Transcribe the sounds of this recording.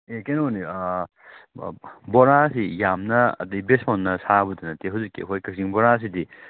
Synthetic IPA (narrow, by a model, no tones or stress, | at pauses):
ekenoni | bɔɾasijamnɐɐ̰dɐjbesmonːɐsabudɐnɐteɦɐwzikːiɐkʰojkɐksiŋbɔɾas̬idi